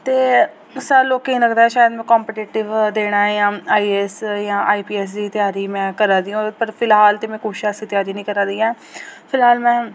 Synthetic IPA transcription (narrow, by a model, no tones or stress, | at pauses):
t̪eː | saːloːkeĩːləɡd̪aːɛːʃaːjəd̪mɛ̃ːkɔːmpeːʈiːʈɪʋd̪eːɽ̃aːɛjãːaːiːɛːsjãːʔaːiːpiːɛːs̬d̪iːt̪ɪjaːɾiːmɛ̃ːkəɾãːd̪iːõːpəɾpʰɪlɦaːlt̪eːmɛ̃ːkoːʃaːsiːt̪ɪjaːɾiːnĩːkəɾãːd̪iːɛː | pʰɪlɦaːlmɛ̃ː